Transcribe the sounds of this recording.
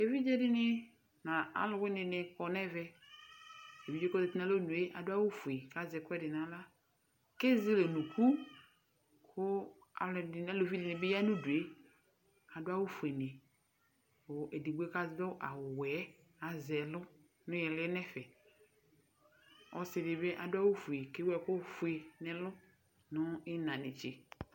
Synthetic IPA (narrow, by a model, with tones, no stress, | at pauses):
e˨vi˦d͡ʒe˦dɪ˦nɪ˦ | na˨a̰˨lʊ˨wɪ˦nɪ˨nɪ˨kɔ˨nɛ˦vɛ˦ | e˨vi˦d͡ʒe˦kɔ˦dɪ˨tɪ˦na˦lo˦nũ˨e˦ʔa̰˨dʊ˦a˦wu˦fu˨e˨ka˦zɛ˨kʊ˦ɛ˦dɪ˨nã˨la˦ | ke˦zɪ˦le˨nũ˨ku˦ | kʰʊ˦ | a̰˨ldɪ˨na˦lo˨vi˦dɪ˨nɪ̃˨bɪ˦ja˦nũ˦du˨e˦ | a˨dʊ˦a˦wu˦fu˨e˨nɪ˨ | o˨e˨di˨ɡ͡bʷu˦e˦ka˦zdʊ˦ʔa˨wwɛ˨˦ | a˨zɛ˨lʊ˦ | nʊ̃˦jɛ˨lɛ˦nɛ˦fɛ˨ | ɔ˨sɪ˨dɪ˨be˦ʔa˨dʊ˦a˦wo˦fu˨e˨ke˦wɛ˨kʊ˦fu˨˦e˨nɛ̃˨lʊ˦ | nʊ˦ɪ˦nã˨nɪ˨t͡ʃɪ˨